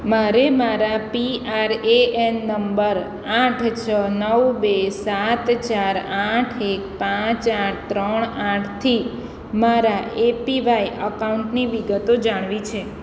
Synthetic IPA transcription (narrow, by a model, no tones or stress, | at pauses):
maɾemaɾapiaɾeʔenːəmbəɾ | ãʈʰt͡ʃʰənəʋbesat̪t͡ʃaɾaʈʰekpãt͡ʃaʈ̚ʰt̪ɾəɳ̃aʈʰt̪ʰi | maɾaepiʋajʔəkauɳʈniʋiɡət̪od͡ʒaɽ̃ʋit͡ʃʰe